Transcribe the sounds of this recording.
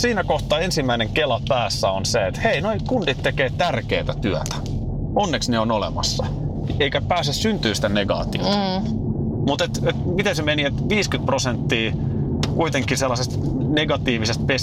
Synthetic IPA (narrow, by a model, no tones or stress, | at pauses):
siːnækoht̪ɑensimːæineŋkelɑpæːsːæonseet̪heinoikunt̪it̪t̪ekeːt̪ærkeːt̪æt̪yæt̪æ̥ | onːeksneonolḛmɑ̰sːɑ | eikæpæːsessynt̪yːst̪æneɡɑ̰ːt̪io̰t̪ɑ | mut̪et̪et̪mit̪ensemeniet̪ʋiːskyt̪̚prosent̪ːiː | kuit̪eŋkːˑiselːɑsest̪ | neɡɑt̪iːʋisest̪̚pe